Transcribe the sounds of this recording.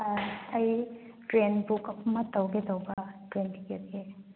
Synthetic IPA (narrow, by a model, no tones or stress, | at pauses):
ɐj | tɾenbukɐpmɐtɐwɡetɐwbɐtɾentiket̚ɡe